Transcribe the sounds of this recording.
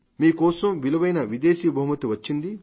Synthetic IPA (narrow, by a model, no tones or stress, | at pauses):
miːkɔːsɐmʋilɐʋɐjnɐʋid̪eːʃiːbʱɐɦumɐt̪iʋɐt͡ʃːind̪i